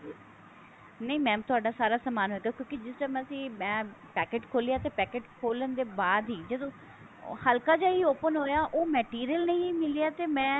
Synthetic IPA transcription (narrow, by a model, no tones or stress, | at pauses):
nəĩmɛ̃ːt̪ʊaːɖaːsaːɾaːsəmaːnɦoːt̪eoːkjõːkid͡ʒɪst͡ʃaːmɛ̃sĩːmɛ̃ːpɛːkeːʈkʰoːlijaːt̪eːpɛːkeːʈkʰoːlənd̪eːbaːd̪ɦiːd͡ʒəd̪õː | həlkaːd͡ʒaːiːoːpənɦoːejaːʔoːmɛːʈiːɾijəlnəĩmɪlijaːt̪eːmɛ̃ː